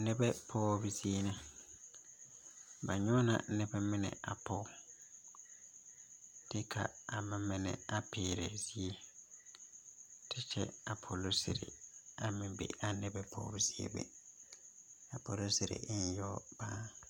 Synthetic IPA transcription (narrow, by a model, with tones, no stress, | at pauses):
nɛ˦bɛ˦pʰɔː˦bɪ˨zi˦e˦nɪ̃˦ | ba˨ɲɔ˦nã̰˨˦nɛ˦bɛ˦mɪ̃˦nɛ̰˨a̰˨pʰɔ˦ | tɪ˦kʰa̰˨a˨mɪ̃˨mɪ̃˦nɛ̰̃˨a˨pʰeː˨ɾe˨zi˦e˦ | tʰɪ˦t͡ʃʰɛ˦a˨pʰo˨lo˦sɪ̰˨ɾḛ˨a˨mɪ̃˨bḛ˨ʔa˨nɛ˦bɛ˦pʰɔ̰ː˦bi˨zi˦ḛ˦bɛ̰˨ | a˨pʰo˨lo˦sɪ˨ɾḛ˨˦n˦jɔ˦b̥aː˦